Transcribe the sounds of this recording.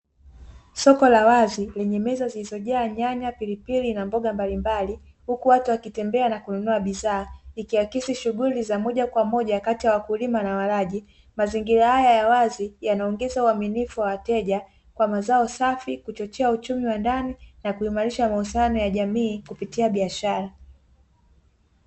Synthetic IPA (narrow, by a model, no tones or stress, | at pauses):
sɔkɔlawazilɛɲɛmɛzazilizɔʄaːɲaɲapilipilinambɔɠambalimbali | hukuwatuwakitɛmbɛanakununuaɓizaːikiwakisiʃuɣulizamɔʄakwamɔʄakatijawakulimanawaɾaʄi | maziŋɡiɾahajajawazijanaɔŋɡɛzauaminifuwawatɛʄa | kwamazaɔsafikut͡ʃɔt͡ʃɛaut͡ʃumiwandaninakuimaɾiʃamahusianɔjaʄamiːkupitiaɓiaʃaɾa